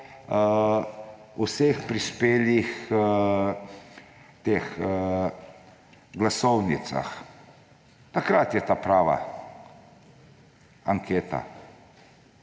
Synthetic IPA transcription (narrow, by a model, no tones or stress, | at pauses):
usexpɾispeːlix | t̪eːx | ɡlasɔwnit̪sa̰x | t̪akɾat̪jɛt̪aːpɾaːʋa̰ | aŋkʰeːt̪a̰